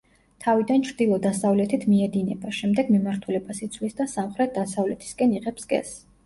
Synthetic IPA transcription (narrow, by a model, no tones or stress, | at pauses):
t̪ʰavid̪ant͡ʃʰɾd̪ilˠɔd̪asavlɛt̪ʰit̪ʰmiɛd̪inɛbaʃɛmd̪ɛɡmimaɾt̪ʰulɛbasit̪sʰvlisd̪asamχɾɛt̪̚d̪asavlɛt̪ʰi̥skʼɛniʁɛpsɡɛ̰s